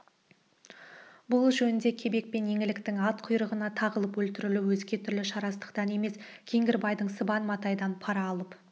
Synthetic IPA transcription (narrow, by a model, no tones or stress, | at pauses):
bʊlˠʒɵnɪnd̪e̞kʲʰe̞be̞k̚pe̞nje̞ŋɪlɪkt̪ɪŋɑt̪qʰʊjɾəʁənɑt̪ʰɑʁəlˠəpwɵlt̪ɪɾɪluwɵzɡʲe̞t̪ʰʏɾlɪʃɑɾɑst̪ə̥qt̪ɑne̞me̞skʲʰe̞ŋɡʲɪɾbɑjd̪əɴsəbɑnmɑt̪ɑjd̪ɑnpʰɑɾɑːlˠəp